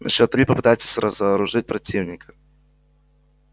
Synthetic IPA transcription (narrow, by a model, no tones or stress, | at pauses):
nɐɕɔt̪ɾʲipəpɨt̪ajt̪sʲə̥sʲɾəzəːɾʊʐɨt̚ʲpɾɐtʲivnʲɪkʰə̥